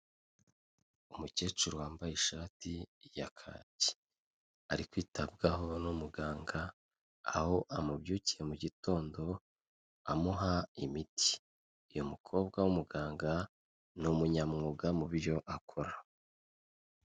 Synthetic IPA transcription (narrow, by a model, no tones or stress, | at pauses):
umuce̞ːt͡ʃuɾuwaːmbajeʃaːtijakʰa̰ːci̥ | aɾikwiːtab̚ɡaɦo̞numuɡaːŋɡa | aho̞ʔamubjuːcije̞muɟito̞ːndo̞ | amuɦaimitʰi̥ː | jomukʰo̞ːb̚ɡawumuɡaːŋɡa | numuɲamŋuɡamuβɾjo̞ʔakʰo̞ɾa